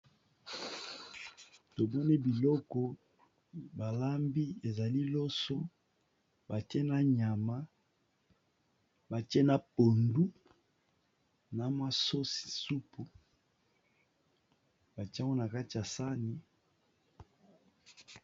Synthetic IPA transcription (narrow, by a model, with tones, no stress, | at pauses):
to˨mɔ˦ne˦bi˨lɔ˦kɔ˦ | ba˨la˦mbi˦e˨za˨li˦lo˦so˦ | ba˨te˦na˦ɲa˨ma˦ | ba˨ti˦e˦na˨po˨ndu˦ | na˨mwa˦so˦si̥˨su˦pu˨ | ba˨ti˦a˦ŋɡo˦na˨ka˦ti˨ja˨sa˦ni˨